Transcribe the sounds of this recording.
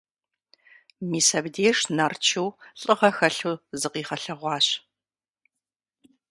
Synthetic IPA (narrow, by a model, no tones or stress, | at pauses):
miːsɐbdeːʂnɐrt͡ʃʰuwɬʼɨʁɐxɐɬuzɨqiːχɐɬɐʁʷɑːɕ